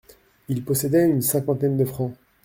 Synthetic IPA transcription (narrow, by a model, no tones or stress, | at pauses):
ilpɔsɛd̪ɛynsɛ̃kɑ̃t̪ɛnd̪əfχɑ̃